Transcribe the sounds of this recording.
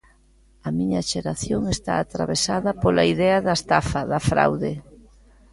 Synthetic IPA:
ɐmiɲɐʃeɾaθjoŋest̪a̰ːt̪ɾa̰βesaðɐpolɐiðɛɐðɐest̪afɐðɐfɾa̰wðe

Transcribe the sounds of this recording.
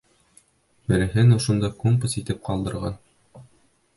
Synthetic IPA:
bɘ̆ɾɘ̆ɦɘnŏʃŏnd̪ɑkompɤ̆sit̪ɘp̚qɑlˠd̪ɤ̆ɾʁɑn

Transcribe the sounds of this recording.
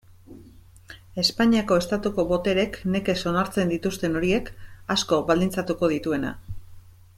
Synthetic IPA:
e̞spaɲiako̞e̞st̪at̪uko̞βo̞t̪e̞ɾe̞kne̞ke̞so̞naɾt͡se̞nd̪it̪ust̪e̞no̞ɾie̞kasko̞βald̪int͡sat̪uko̞ð̞it̪ue̞na̰

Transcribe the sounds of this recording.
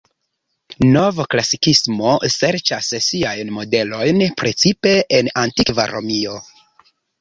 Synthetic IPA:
no̞vaklasikismo̞se̞ɾt͡ʃassiajnmo̞de̞lo̞jnpɾe̞t͡sipe̞enantikvaɾo̞mio̞

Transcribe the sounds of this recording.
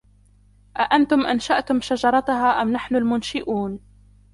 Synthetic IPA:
ʔaʔant̪ʊmʔanʃaʔt̪ʊmʃad͡ʒɑɾˤɑt̪ʊɦaːʔamnaħnʊlmʊnʃɪʔuːn

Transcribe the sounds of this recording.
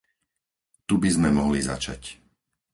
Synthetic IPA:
t̪ubizmɛmɔɦliza̰t͡ʃa̰c

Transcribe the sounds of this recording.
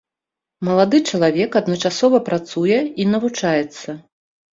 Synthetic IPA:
mɐlˠad̪ɨt͡ʂɐlˠavʲɛkɐd̪nɐt͡ʂasɔvɐpɾat̪sujɛinɐvut͡ʂajɛt̪sːɐ

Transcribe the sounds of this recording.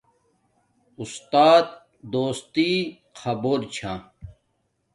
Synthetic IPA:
ust̪aːt̪̚ | d̪oːst̪i | kʰɐboːɾt͡ɕʰã

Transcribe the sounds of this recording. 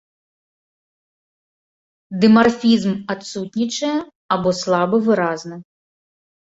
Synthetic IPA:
d̪ɨmɐrfʲizmɐt̪sutʲnʲit͡ʃɐjɛ | ɐbɔslˠɑbɨʋɪɾɑznɐ

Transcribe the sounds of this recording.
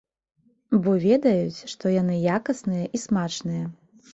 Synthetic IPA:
bɔvʲɛd̪ɐjut͡sʲʂt̪ɔjan̪ɨjakɐsnɨjɐʔismat͡ʂnɨjɐ

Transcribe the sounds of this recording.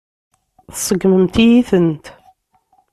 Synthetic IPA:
θsˤəɡməmt̪ijiθənt̪

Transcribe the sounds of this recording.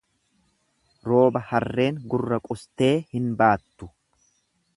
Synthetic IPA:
ɾo̞ːbɐhɐrːe̞ːŋɡʊrːɐkʼʊst̪e̞ːhɪnbaːt̪ːʊ̥

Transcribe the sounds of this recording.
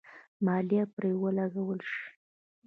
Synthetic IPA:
mɑlijapɾewəlaɡawəlʃi̥

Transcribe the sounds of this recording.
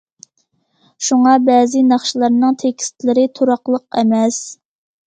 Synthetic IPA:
ʃuŋɑbɛːzɪnɑχʃilˠɑɾnɨŋt̪ʰekʲʰi̥st̪ʰlɪɾɪt̪ʰuɾɑqlˠəqɛmɛs

